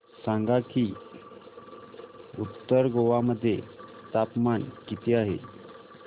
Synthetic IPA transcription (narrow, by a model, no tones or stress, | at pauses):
sãŋɡaki | ut̪ːəɾɡoʋaməd̪ʱːjet̪apmankit̪iaɦḛ